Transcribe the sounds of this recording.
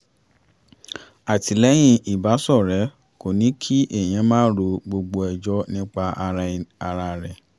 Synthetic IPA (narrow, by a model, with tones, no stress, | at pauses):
a˨ti˨lɛ˨˦j̃ĩ˧ʔi˨ba˨˦sɔ˦˨ɾɛ˨˦ | ko˨nĩ˨˦kʰi˦ʔe˦˨j̃ĩ˧˦mãː˦ɾo˧ɡ͡bo˧ɡ͡bo˧ɛ˨d͡ʒɔ˦nĩ˦k͡pa˧ʔa˧ɾa˧ɾa˧ɾɛ˨